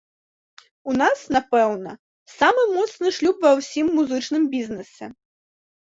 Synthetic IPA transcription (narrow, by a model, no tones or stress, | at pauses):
unasnapɛwnɐ | samɨmɔt̪snɨʂlʲupvɐwsʲimːuzɨt͡ʂnɨmbʲiznɨsʲɛ